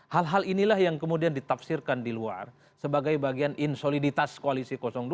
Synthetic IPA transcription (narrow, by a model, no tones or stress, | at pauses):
halɦalinilahjaŋkəmudiandit̪afsirkandilua̰r | səbaɡajbaɡianʔinsolidit̪askoalisikosɔŋd